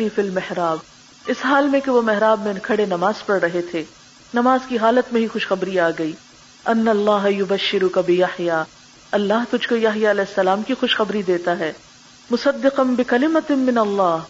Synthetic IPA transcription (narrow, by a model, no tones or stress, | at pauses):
ifɪlmɪhɾaːb | ɪsɦaːlmẽkeʋomɛɦɾaːbmẽnkʰɐɽenɐmaːzpɐɾɾɐɦet̪ʰeː | nɐmaːzkiɦaːlət̪mẽɦixʊʃxɐbɾiaːɡɐiː | ɐnːɐɐlˤːaːɦɐjʊbɐʃːɪɾʊkabɪjɐħjaː | ɐlːaɦt̪ʊd͡ʒʱkojaɦjaɐlɛːɪsːɐlaːmkixʊʃxɐbɾid̪eːt̪aɦɛː | mʊsɐd̪ːɪqɐnbɪkɐlɪmɐt̪mɪnɐlˤːaːɦ